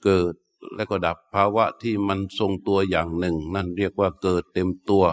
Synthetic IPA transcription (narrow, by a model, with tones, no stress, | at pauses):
kɤː˨˩t̪̚lɛ̰˦˥kɔː˥˩da˨˩pʰːaː˧wa˦˥ʔt̪ʰiː˥˩ma˧nso˧ŋt̪u˧ɐjaː˨˩ŋnɯ˨˩ŋna˥˩nɾi˥˩ək̚waː˥˩kɤː˨˩t̪ːe˧mt̪u˧ɐ